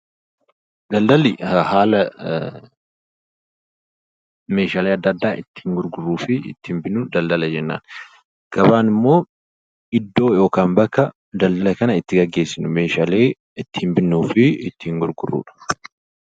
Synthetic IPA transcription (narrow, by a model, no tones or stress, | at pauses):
d̪ɐld̪ɐlɪhaːlɐ | me̞ːʃaːleːɐd̪ːɐd̪ːaːʔɪt̪ːɪ̥hŋɡʊɾɡʊrːuːfɪɪ̰t̪ːɪhmbɪnːʊd̪ɐld̪ɐlɐd͡ʒɛnːa̰ːn | ɡ̥ɐbaːnɪmːo̞ː | ɪd̪ːo̞ːjo̞ːkaːmbɐkːɐ | d̪ɐld̪ɐlɐkɐnɐɪt̪ːɪɡɐɡːe̞ːsːɪnʊmeːʃaleː | ɪt̪ːɪhmbɪnːuːfɪɪt̪ːɪŋɡʊɾɡʊrːṵːᶑɐ̥